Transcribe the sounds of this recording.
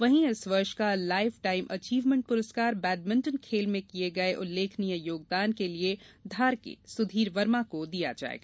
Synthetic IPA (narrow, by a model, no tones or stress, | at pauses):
ʋɐɦĩɪsʋɐɾʃkalaːɪfʈaːɪmʔɐt͡ʃiːʋmə̃ɳʈ̚pʊɾəskaːɾbɛːɖ̚mɪ̃ɳʈənkʰeːlmẽkieɡɐeʔʊlːeːkʰnijəjoːɡ̚d̪aːnkelied̪ʱaːɾkḛsʊd̪ʱiːɾʋɐɾmakod̪ija̰d͡ʒa̰ːḛːɡaː